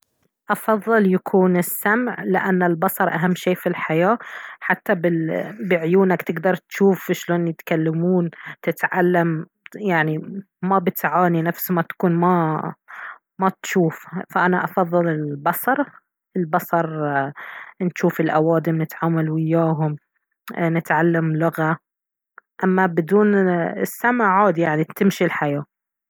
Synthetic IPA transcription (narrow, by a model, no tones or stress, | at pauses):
ʔɑfɑðˤːɨljakʰuːnɪsːamʕlɪʔanːɪlbɑsˤɑɾˤʔaɦamːʃeːfilħajaːħat̪ːabɪbɪʕʊjuːnakt̪ɪɡd̪ɑɾˤt̪ʃuːfɪʃloːnjɪt̪kalːamuːnt̪ɪt̪ʕalːam | jaʕni | mabɪt̪ʕaːninafsmat̪ḁkuːnma | mat̪ʃuːffaʔanaʔɑfɑðˤːɨlɪlbɑsˤɑɾˤ | ɪlbɑsˤɑɾˤ | nʃuːfɪlʔawaːd̪ɪmnɪt̪ʕaːmalwɪjːaːɦʊm | nɪt̪ʕalːamlʊɣa | ʔamːabɪd̪uːnɪsːamaʕaːd̪ijaʕnit̪ɪmʃilħajaː